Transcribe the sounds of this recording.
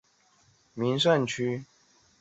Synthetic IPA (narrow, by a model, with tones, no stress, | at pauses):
mi˨˦nswa˥˨nt͡ɕʰy˦